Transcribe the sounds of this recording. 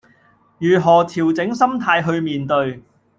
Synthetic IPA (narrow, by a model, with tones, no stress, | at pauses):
jyː˨˩ɦɔː˨˩t̪ʰiː˨˩wt͡sɪ˨˥ŋsɐ˥mt̪ʰaː˧jɦɵ˧ɥmiː˨nt̪ɵ˧ɥ